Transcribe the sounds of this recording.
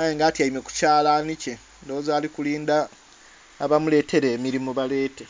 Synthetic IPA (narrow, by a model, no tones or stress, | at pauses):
ajeːŋɡaːtiaime̞ku̥caːlanice | ndo̞ːzaːlikuliːndaː | βamule̞ːtʰe̞ɾe̞ːmiɾimoβale̞ːte